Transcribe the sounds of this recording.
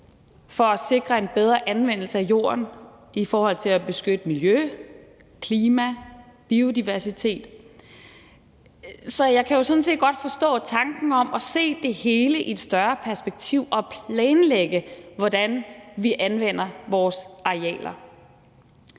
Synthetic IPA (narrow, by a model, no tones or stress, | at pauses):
fɒ̽æse̝ɡ̥ʁɐe̝nb̥eð̞ˠʁɐʔænʋen̰l̩səæjo̝̰ːɐ̰n | ifɒːhɒ̽l̰t͡sʰe̝læb̥e̝sɡ̥ød̥əmiljø | kʰliːmæb̥io̝diʋæɐsit͡sʰe̝̰ːd̥ | sɒ̽jɑ̈ɪkʰæjo̝sɒ̽n̩s̬e̝̰ːd̥̚ɡ̥ɒ̽d̥fɒ̽sd̥ɔ̰̽ːt͡sʰɑ̈ŋɡ̥n̩ɒ̽mɒ̽se̝̰ːd̥e̝he̝ːləʔied̥sd̥ɶɐpʰæɐsb̥eɡ̥̚t͡sʰiʊ̰ʔɒ̽pʰlɛːnleɡ̥əʋɒdænʋiʔænʋen̰ɐʋɒːsɑ̈eɛ̰ːlɐ